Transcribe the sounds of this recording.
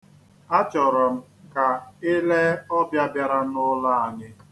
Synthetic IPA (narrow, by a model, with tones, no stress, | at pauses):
a˦t͡ʃɔ˨ɾɔ˨m̩˦ | ka˨ɪ˦le˦ɔ˦bja˦bja˦ɾa˦nʊ˦la˦˨a˨ɲɪ˦